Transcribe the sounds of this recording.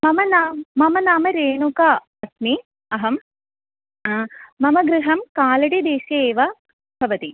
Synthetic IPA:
mɐmɐnaːmːɐmɐnaːmɐɾeːnuka | ɐt̪ni | ɐɦɐm | ɐmɐɡɾɪɦɐmkaːlɐɽid̪eːʃɐeːʋɐ | bʰʱɐʋɐt̪i

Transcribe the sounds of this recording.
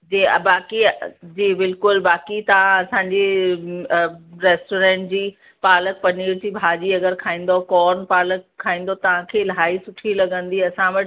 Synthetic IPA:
d͡ʑḛbaːkid͡ʑiːbɪlkʊlbaːkit̪ɐʋ̤ãɐsãɲd͡ʑe | ɾeːsʈoːɾẽːɳʈ̚d͡ʑiː | paːlək̚pɐniːɾd͡ʑiːbʱaːd͡ʑiɐɡəɾkʰaːĩːnd̪okɔːɾnpaːləkʰːaːĩːn̆d̪ot̪ɐʋ̤ãkʰeːlɦaːisʊʈʰilɐɡə̃nd̪iɐsãʋɐʈ

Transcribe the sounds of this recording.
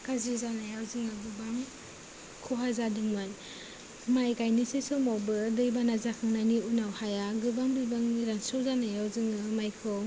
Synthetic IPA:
kʰazizanajawzɯŋaɡɯbaŋ | kʰɔɦazadɯŋmɯn | majkajnisijsɯmawbɯdɯjbanazakʰaŋnajniunawhajaɡɯbaŋbibaŋiɾansɔzanajawzɯŋɯmajkʰɯ

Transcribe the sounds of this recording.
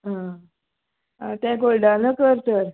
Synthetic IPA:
ɦã | ɦãt̪ɛ̃koɭɖanəkəɾt̪əɾ

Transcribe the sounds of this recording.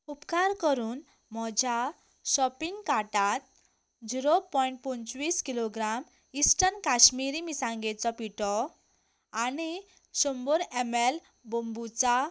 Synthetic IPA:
upkaɾkɔɾun | mɔd͡zʱa | sɔpiŋɡkaʈat̪̚ | d͡ziɾopɔiɳʈ̚punt͡swiskiloɡɾam | isʈʌnkasmiɾimisãŋɡet͡sʌpiʈɔ | ani | somboɾemel | bombut͡sa

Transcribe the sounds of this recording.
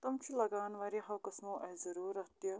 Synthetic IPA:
t̪ɐmt͡ʃʰilɐɡaːnʋaɾiɦɐwkɐsmoʔɐzɐɾuːɾɐt̪jɐ

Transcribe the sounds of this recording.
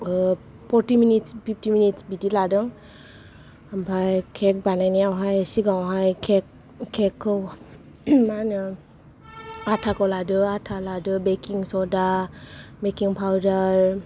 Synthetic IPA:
pʰɔɹtiminitspʰiptiminitsbidiladɯŋ | ampʰajkʰɛk̚banajnijawɦajasiɡaw̃ɦajkʰɛk̚ | kʰːɛkʰːɔw | manɯ | atʰakɔladɯatʰaladɯbekiŋsɔda | bekiŋpʰawdaɹ

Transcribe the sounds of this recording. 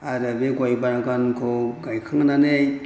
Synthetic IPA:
aɾɯbeɡajbaɾaɡankʰoɡajkʰaŋnanej

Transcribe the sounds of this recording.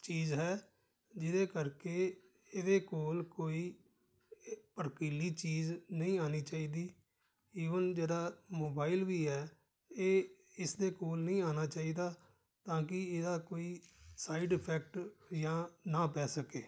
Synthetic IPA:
t͡ʃiːzɦɛː | d͡ʒɪd̪eːkəɾkeː | eːd̪eːkoːlkoːiː | pəɾkiːliːt͡ʃiːznəĩːaːniːt͡ʃaːiːd̪iː | iːʋənd͡ʒeːdaːmoːbaːɪlʋiːɦɛː | eː | ɪsd̪eːkoːlnəĩːaːnaːt͡ʃaːiːd̪aː | t̪ãːk̬ɪeːd̪aːkoːiːsaːɪɖɪpʰɛːk̚ʈjãːnãːpɛːsəkeː

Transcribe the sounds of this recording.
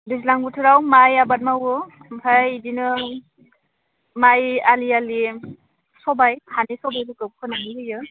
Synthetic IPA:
dis̬laŋbutʰɯɾawmajabat̚mawɯ | bʰajdinɯ | majaliali | sɔbajhʰanisɔbajdɯkɯb̚kʰɯnaŋiɾɯjɯ

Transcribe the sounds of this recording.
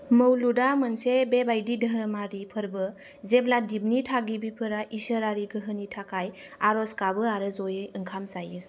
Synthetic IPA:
məwludamɯnsebebajdidʱəɾmaɾipʰəɾbɯ | zebladibnitʰaɡibipʰɯɾaʔisəɾaɾiɡɯɦɯnitʰakajaɾɔskabɯaɾɯzɔjɯjɯŋkʰamzajɯɾ

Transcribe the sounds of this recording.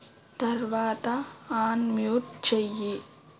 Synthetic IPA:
t̪ɐɾʋaːt̪ɐaːnmjoːʈ̚t͡ʃɛjːi

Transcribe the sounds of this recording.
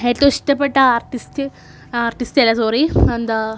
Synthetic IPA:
et̪ːoiʂʈɐpːɐʈːɐaːɾʈist̪ | aːɾʈist̪elːɐsoːɾiɐnd̪ɐ

